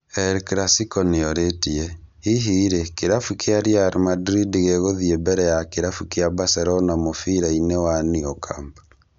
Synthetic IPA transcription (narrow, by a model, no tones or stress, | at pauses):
ɛɾkɾasikɔneɔɾetiɛ | iɦiːɾekeɾafukeaɾjaːɾmadɾidiɣeɣoðiebɛɾɛjakeɾafukeabasɛɾɔnamofiɾainewaniɔkamba